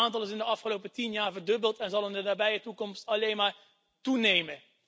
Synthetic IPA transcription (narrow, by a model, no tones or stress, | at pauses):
aːntɑlˠɪs̬ɪndəɑfχəlowpətinjaːɹvəɹdɵbəlˠtɛnzɑlˠəndənaːbɛjətukɔmstɑlejnmaːɹ | tunejmə